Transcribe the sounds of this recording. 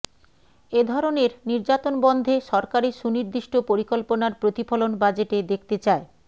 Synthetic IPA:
ed̪ʱɔɾoneɾniɾd͡ʑat̪onbɔnd̪ʱeʃɔɾkaɾeʃuniɾd̪iʃʈopoɾikolponaɾpɾot̪ifʰolonbad͡ʑeʈed̪ek̚ʰt̪et͡ɕae

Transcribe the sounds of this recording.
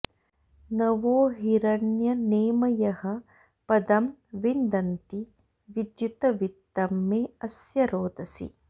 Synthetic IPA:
nɐʋoːɦiɾɐɳjɐneːmɐjɐhɐ | pɐd̪ɐmʋind̪ɐnt̪i | ʋid̪jut̪ɐʋit̪ːɐmːeːɐsjɐɾoːd̪ɐsḭ

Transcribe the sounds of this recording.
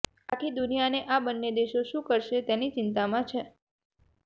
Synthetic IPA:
akʰid̪ʊnijaneʔabənːed̪eʃoʃũkəɾʃet̪enit͡ʃɪnt̪amãt͡ʃʰe

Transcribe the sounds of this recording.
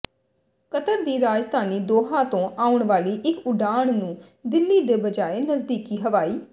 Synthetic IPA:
kət̪əɾd̪iːɾaːd͡ʒd̪ʱaːniːd̪oːɦãːt̪õːaːʊɳʋaːliːʔɪkʊɖaːɳnũː | d̪ɪlːiːd̪eːbəd͡ʒaːeːnəzd̪iːkiːɦəʋaːiː

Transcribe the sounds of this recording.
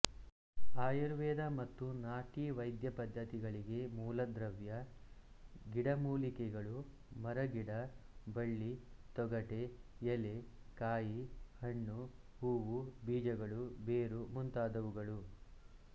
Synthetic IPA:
aːjɐɾʋɛːd̪ɐmɐt̪ːunaːʈiʋɐjd̪jɐpɐd̪ʱːɐt̪iɡɐɭiɡe̞muːlɐd̪ɾɐʋjɐ | ɡiɽɐmuːlikɛɡɐɭu | mɐɾɐɡiɽɐbɐɭːit̪ɔɡɐʈe̞jele | kaːjihɐɳːu | huːʋubiːd͡ʒɐɡɐɭubeːɾumunt̪aːd̪ɐʋuɡɐɭu

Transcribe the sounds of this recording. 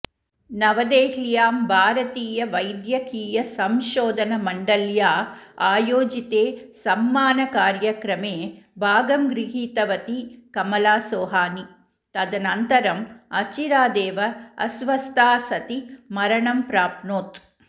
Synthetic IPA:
nɐʋɐd̪eːɦljaːmbʱaːɾɐt̪iːjɐʋɐjd̪jɐkiːjɐsɐmʃoːd̪ʱɐnɐmɐɳɖɐljaːaːjoːd͡ʒit̪eːsɐmːaːnɐkaːɾjɐkɾɐmeːbʱaːɡɐmɡɾiɦiːt̪ɐʋɐt̪ikɐmɐlaːsoːɦaːni | t̪ɐd̪ɐnɐnt̪ɐɾɐmɐt͡ʃiɾaːd̪eːʋɐɐ̰sʋɐst̪ʰaːsɐt̪imɐɾɐɳɐmpɾaːpnoːt̪

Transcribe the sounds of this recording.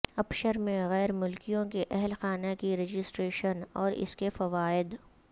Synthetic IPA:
ɐpʃəɾmẽɣɛːɾmʊlkijõkeʔɛɦlxaːnakiɾed͡ʒɪsʈɾeːʃənɔːɾɪ̰skefɐʋaːɪd̪

